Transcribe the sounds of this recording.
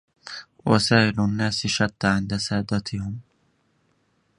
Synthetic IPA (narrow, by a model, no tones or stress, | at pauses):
wasaːʔɪlanːaːsʃat̪ːaʕɪnd̪asaːd̪at̪ʰɪhɪm